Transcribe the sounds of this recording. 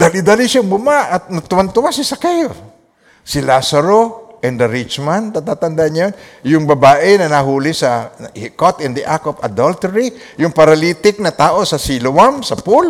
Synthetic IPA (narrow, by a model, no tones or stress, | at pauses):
d̪alid̪alisaŋbʊmaʔːt̪̚nat̪ʊwant̪ʊwasisakɛl | silasaɾoʔɛnd̪ɐɾit͡ʃmant̪at̪at̪and̪aʔɲjonjʊŋbɐbaːʔɪnɐnaɦuːlɪsɐhikot̪ɛnd̪iʔakopa̰d̪olt̪ɛɾi | jʊŋpɐɾɐliːt̪ɪk̚nɐt̪aːʔosɐsilowamsɐpul